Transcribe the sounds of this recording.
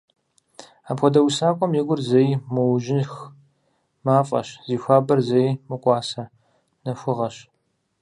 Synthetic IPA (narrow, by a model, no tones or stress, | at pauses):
aːpxʷɔdɐwsaːkʷʼɔmjɪɡʷʊrzɐjmɐwʒɪnx | maːfʼɐ̰ɕziːxʷaːbɐrzɐjmɨqʷʼɑːsɐ | nɐxʷʊʁɐɕ